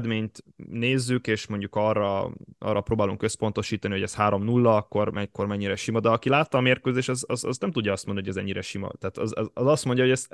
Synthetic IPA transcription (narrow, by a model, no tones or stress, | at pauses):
d̪meːɲt̪neːzːykeːʃmoɲɟukɒrːɒʔɒ̰ːrːɒpɾoːbaːluŋkø̞spo̞n̪t̪o̞ʃiːt̪ɒniɦo̞ɟɛshaːɾo̞mnulːɒɒkːo̞rmɛcko̞rmɛɲːiɾɛʃimɒd̪ɛɒkilaːt̪ːɒːmeːrkøzeːʃɒzɒzɒznɛmt̪udɟːɒɒst̪monnioɟɛzɛ̰ɲːiɾɛʃimɒ̰t̪aːt̪zɒzɒst̪mo̞ɲɟɒɦoɟɛs